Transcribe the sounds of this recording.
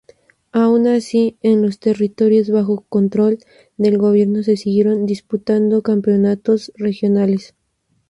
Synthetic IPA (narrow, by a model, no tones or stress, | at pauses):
aunasienlo̞st̪e̞rit̪o̞ɾjo̞zβaxo̞ko̞nt̪ɾo̞l | d̪e̞lɣo̞β̞je̞ɾno̞s̬e̞siɣje̞ɾo̞nd̪isput̪and̪o̞kampeonat̪o̞sre̞xjo̞nale̞s